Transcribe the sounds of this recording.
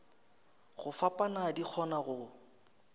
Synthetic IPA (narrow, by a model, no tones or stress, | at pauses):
ɣʊfapʼanadik͡xʰɔnaɣʊ